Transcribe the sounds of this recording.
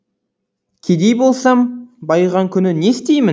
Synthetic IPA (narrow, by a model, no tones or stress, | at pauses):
kʲʰed̪e̞jbo̞lˠsɑmbɑjʁɑŋkʲʰʏnɪne̞st̪e̞jmɪ